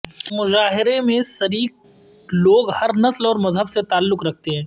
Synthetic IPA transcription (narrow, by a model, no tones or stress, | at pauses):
mʊzaːɦɪɾemẽsɐɾiːk | loːɡhɐɾnɐslɔːɾmɐzɦəbset̪aːlːʊkɾɐk̚ʰt̪eɦɛ̃ː